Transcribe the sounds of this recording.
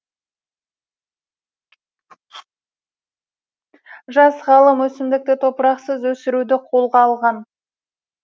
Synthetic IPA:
ʒɑsʁɑlˠəmwɵsɪmd̪ɪk̚t̪ɪt̪ʰo̞pəɾɑqsəzwɵsɪɾud̪ɪqʰo̞lˠʁɑːlˠʁɑn

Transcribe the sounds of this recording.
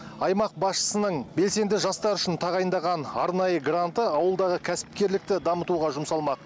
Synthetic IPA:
ɑjmɑq̚bɑsʃə̥sənəɴbe̞lse̞nd̪ɪʒɑst̪ɑɾʏʃɪnt̪ʰɑʁɑjənd̪ɑʁɑnɑɾnɑjəɡrant̪əɑwəlˠd̪ɑʁəkʲʰæsɪ̥p̚kʲe̞ɾlɪk̚t̪ɪd̪ɑmət̪uʁɑʒʊmsɑlˠmɑq

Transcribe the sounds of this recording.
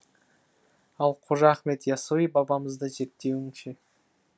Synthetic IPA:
ɑlˠqʰoʒɑːχme̞t̪jɑsuijbɑbɑməzd̪əʒe̞ɾt̪ːe̞wɪŋʃe

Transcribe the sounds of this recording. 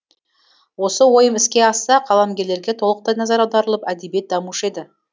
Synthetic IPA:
wo̞səwo̞jəmɪskʲe̞ɑsːɑqʰɑlˠɑmɡʲe̞ɾle̞ɾɡʲe̞t̪ʰo̞lˠəq̚t̪ɑjnɑzɑɾɑwd̪ɑɾəlˠəpæd̪ebje̞t̪̚d̪ɑmuʃe̞d̪ɪ

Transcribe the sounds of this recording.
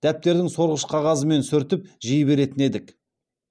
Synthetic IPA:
d̪̥æp̚t̪e̞ɾd̪ɪŋso̞ɾʁəʃqʰɑʁɑzəme̞nsʏɾt̪ɪp̚ʒijbe̞ɾe̞t̪ɪne̞d̪ɪk

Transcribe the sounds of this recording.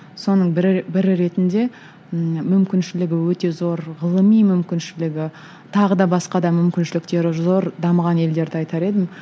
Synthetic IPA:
so̞nəɴbɪɾbɪɾɪɾe̞t̪ɪnd̪e̞ | mʏmkʲɪnʃɪlɪɡʲɪwɵt̪e̞zo̞ɾʁəlˠəmijmʏmkʲɪnʃɪlɪɡʲɪ | t̪ʰɑʁəd̪ɑbɑsqɑd̪ɑmʏmkʲɪnʃɪlɪkt̪e̞ɾɪzo̞ɾd̪ɑməʁɑne̞ld̪e̞ɾd̪ɪɑjt̪ɑɾe̞d̪ɪm

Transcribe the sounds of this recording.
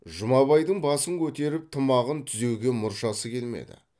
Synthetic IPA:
ʒʊmɑβɑjd̪əɴbɑsəŋkʲʰɵt̪e̞ɾɪp̚t̪ʰəmɑʁənt̪ʰʏze̞wɡʲe̞mʊɾʃɑsəkʲʰe̞lme̞̰d̪ɪ̰

